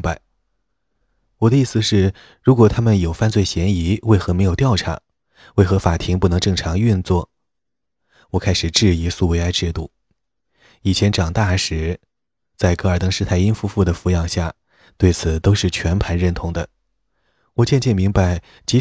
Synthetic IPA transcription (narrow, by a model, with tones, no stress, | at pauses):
a˧˩ɪ | wɔ˨˩d̪ə˦i˥˩sɹ̩˩ʂɻ̩˥˩ | ɻu˧˥kwɔ˨˩t̪ʰa˥mə˨njo˨˩ʊfa˥˧nt͡swe˥˩ɪɕjɛ˧˥ni˧˥we˥˩ɪxɤ˧˥me˧˥ɪjo˨˩ʊt̪jɑ˥˩ʊʈ͡ʂʰa̰˧˥ | we˥˩ɪxɤ˧˥fa˨˩t̪ʰi˧˥ŋpu˥˩nɤ˧˥ŋʈ͡ʂɤ˥˩ŋʈ͡ʂʰɑ˧˥ŋy˥˧nt͡swɔ˥˩ | wɔ˨˩kʰa˥ɪʂɻ̩˨˩ʈ͡ʂɻ̩˥˩i˧˥su˥˩we˧˥ɪa˥˧ɪʈ͡ʂɻ̩˥˧t̪u˥˩ | i˨˩t͡ɕʰjɛ˧˥nʈ͡ʂɑ˨˩ŋt̪a˥˩ʂɻ̩˧˥ | t͡sa˥˧ɪkɤ˧˥ə˞˨˩t̪ɤ˥ŋʂɻ̩˥˧t̪ʰa˥˩ɪi˥nfu˥fu˥˩d̪ə˩fu˧˥jɑ˨˩ŋɕja˥˩ | t̪we˥˩ɪt͡sʰɹ̩˨˩t̪o˥ʊʂɻ̩˥˩t͡ɕʰɥɛ˧˥npʰa˧˥nɻə˥˩nt̪ʰʊ˧˥ŋd̪ə̰˧ | wɔ˨˩t͡ɕjɛ˥˧nt͡ɕɛ˥˩nmi˧˥ŋpa˧˩ɪ | t͡ɕi˧˥